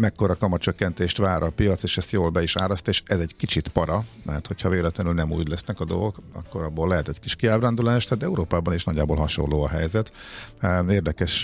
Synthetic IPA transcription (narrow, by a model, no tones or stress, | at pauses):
mɛkːo̞ɾɒkɒmɒt͡ʃøkːɛnt̪eːʃt̪ʋaːɾʔɒpijɒt̪seːʃɛst̪joːlbɛiʃaːlɒst̪eːʃɛzɛɟkit͡ʃit̪pɒɾɒmɛrt̪ho̞chɒveːlɛt̪lɛnylnɛmṵːɟlɛsnɛkɒd̪o̞lɡokɒ̰kːo̞ɾɒbːolːɛɦɛt̪ɛɟkiʃkiaːbraːnd̪ulaːʃt̪aːt̪ɛuɾoːpaːbɒniʃnɒɟːaːbolɦɒʃo̞̰nloːɒɦɛjzɛt̪ | eːrd̪ɛkɛʃ